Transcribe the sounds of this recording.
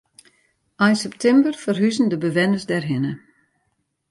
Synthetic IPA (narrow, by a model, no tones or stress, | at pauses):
ajnsɛptʰɛmbərfərɦyzən̩dəbəʋɛnəzdɛrɦɪnə